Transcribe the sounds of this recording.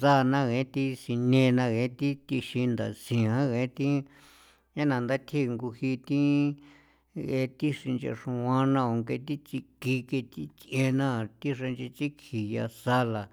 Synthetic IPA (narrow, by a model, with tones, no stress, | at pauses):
sa˦˧nã˦ɣẽ˨˦t̪i˦si˧nẽ˧nã˧ɣe˧˦t̪i˦t̪i˧ʃi˧nd̪a̰˨sĩ˨ɦã˦ɣẽ˧˦t̪ĩ˦ | ɲã˦nã˧nd̪a˦t̪ʰi˦˨˧ŋɡu˧hi˧t̪ĩ˦ | ɣe˧˦˧t̪i˦ʂi˧nt͡ʃḛ˧ʂũ˧wã˧nã˧o˨ŋke˧t̪i˦t͡si˧ki˧ke˧t̪i˦t͡sʔẽ˧nã˦˨t̪i˦ʂe˧nt͡ʃe˧t͡ʃi˦kʰi˨ja̰˧sa˧la˨